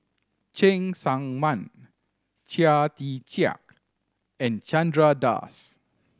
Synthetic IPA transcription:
t͡ʃɛ̃ŋsãŋmãn | t͡ʃiat̪it͡ʃia̰k | ɛ̃nt͡ʃãndɹada̰s

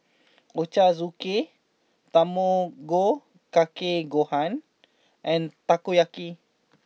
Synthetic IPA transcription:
ot͡ʃazuke | t̪amoɡo | kakeɡohan | ʔɛ̃nt̪akojaki

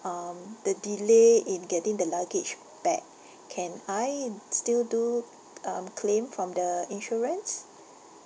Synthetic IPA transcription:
amd̥ədileɪ̃nɡɛtɪ̃ŋdəlaɡɪd͡ʒ | b̥ɛ̰k̚ | kʰːɛ̃najstildu | ãmkʰlẽmfɹɔ̃mdəĩnʃɔɹə̃ns

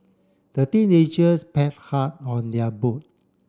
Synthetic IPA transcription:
d̥ətĩned͡ʒəspɛt̚hat̚ɔ̃ndɛbot̚

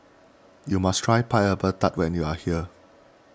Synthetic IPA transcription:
jumastʰɹajpʰajəbətatwɛ̃njuahiə

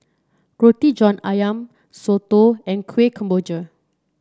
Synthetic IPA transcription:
ɹot̪id͡ʒɔ̃najãm | sot̪oɛ̃nkʰwekʰə̃mbod͡ʒə

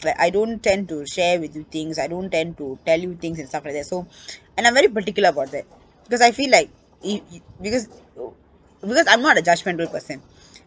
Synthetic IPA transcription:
laɪkʔa̰ɪɖõːnʈʈɛ̃nɖ̚ʈuʃɛːɾʋɪd̪jut̪ʰɪ̃ŋsaɪɖõːnʈːɛ̃nɖ̚ʈuʈɛljut̪ɪ̃ŋsɛ̃nstʈʌflaɪk̚d̪ɛʈsoɛ̃nãɪ̃ʋɛɾipəɾʈɪkjʊləɾəbaʊʈ̚d̪æʈ̚ | b̥ɪkɔzaɪfiːlːaɪk̚ | ibɪkɔz | bɪkɔzãɪ̃mnɔːʈəd͡ʒʌd͡ʒmɛ̃ɳʈəbəlpəɾsə̃n

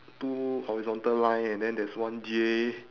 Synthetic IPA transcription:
tuhɔɹizɔ̃ntəllãj̃nɛ̃ndɛ̃ndɛswãnd͡ʒie

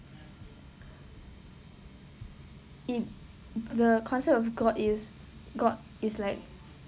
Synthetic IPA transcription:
it̚ | dəkʰɔ̃nsɛp̚tɔfɡɔdis | ɡɔd | islaɪk̚

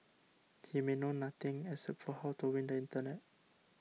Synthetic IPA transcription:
himenõnat̪ɪ̃ŋɛsɛpfɔhɔt̪uwɪ̃ndəĩnt̪ənɛt̚

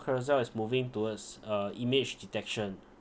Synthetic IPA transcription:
kʰəɹzɛlɪsmuvɪ̃ŋtuwədsəimɪd͡ʒditɛkʃə̃n

